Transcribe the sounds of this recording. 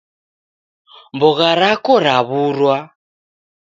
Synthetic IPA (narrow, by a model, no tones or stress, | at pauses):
mbɔɣaɾakɔɾaβuɾwa